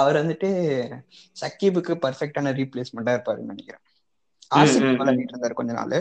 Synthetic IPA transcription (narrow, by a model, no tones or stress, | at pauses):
ɐʋɐɾʋɐnd̪ɯʈːɯ | sɐkːipːɯkːɯpɐɾfɛk̚ʈaːnɐɾiːpleːsmɐɳʈːãːɪɾɯpːaːɾɯ̰kːnɐnɪkːɪɾõː | aːsɪkːɐkɐːlɐniːʈːɪɾɯnd̪aːɾkɔɲd͡ʒɐna̰ːlɯ